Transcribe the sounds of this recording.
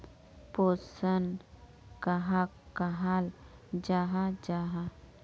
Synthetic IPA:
poːsən | kaɦa | kaɦaːl | d͡ʒaːɦad͡ʒaːɦa

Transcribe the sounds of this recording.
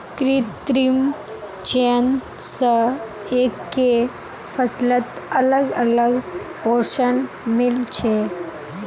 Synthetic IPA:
kɾit̪ːɾim | t͡ʃen | sə | ekːe | fʰəslət̪ələɡələɡ | poɾʃən | mɪlt͡ʃʰe

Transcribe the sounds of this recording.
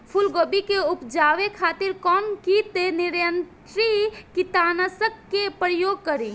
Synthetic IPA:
pʰulɡobikeupd͡ʒaʋekʰat̪iɾkɔnkit̪eniɾjənt̪ɾikit̪anasəb̚kepɾəjoɡ̚kəɾi

